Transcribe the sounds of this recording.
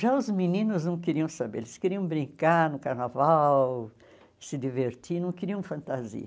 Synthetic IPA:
ʒaʊzminĩnʊznɐ̃w̃kɪɾiɐ̃w̃sabḛelɪskeɾiɐ̃w̃bɾĩkaɾnʊkaɾnavaw | sɪdiveɾt͡ʃinɐ̃w̃kɪɾiɐ̃w̃fɐ̃nt̪azḭɐ

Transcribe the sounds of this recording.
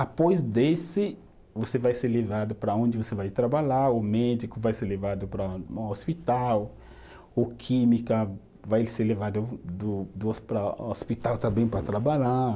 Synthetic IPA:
apojzd̪esɪ | vosevajseɾlevad̪ʊpɾɐõnd͡ʒɪvosevajt̪ɾabaʎaɾʊmɛd͡ʒikʊvajseɾlevad̪ʊpɾɐospit̪aw | ʊkʰĩmikɐ | vajseɾlevad̪ʊd̪ʊd̪ʊspɾaospit̪awt̪ɐ̃mbẽj̃pɾɐt̪ɾabaʎa

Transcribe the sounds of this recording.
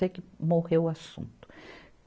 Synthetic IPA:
ekɪmohewʊasṵ̃nt̪ʊ̥ | k

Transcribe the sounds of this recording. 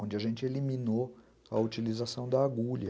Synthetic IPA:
õd͡ʒɪɐʒẽnt͡ʃɪelimino | ɐut͡ʃilizasɐ̃w̃d̪ɐːɡuʎɐ

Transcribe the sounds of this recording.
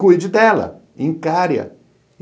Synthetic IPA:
ujd͡ʒɪd̪ɛlɐ̰ | ẽj̃kaɾjɐ̰

